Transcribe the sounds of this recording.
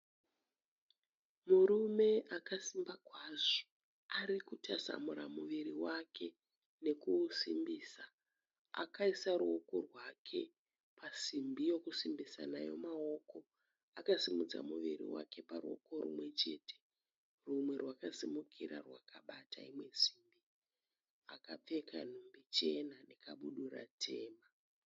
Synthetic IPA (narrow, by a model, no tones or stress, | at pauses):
muɾume̞ʔakasimbakwaːʐo̥ | aɾikutasa̰muɾamuʋiɾiwakʰe̞ | ne̞kusimbiːsa | a̰kaisaɾuoko̞rwakʰe̞ | pasimbijo̞kusimbisanajo̞̰mao̞ko̞ | akazimud͡za̰muʋirḭwa̰ke̞paɾuo̞̰ko̞ɾṵmwe̞t͡ʃe̞tʰe̞̥ | rumwe̞rwakasimukʰiɾa̰rwakaɓata̰imwe̞si̥mbi | akap͡fe̞kʰanumbit͡ʃe̞nanekaɓuɗura̰tʰe̞ːma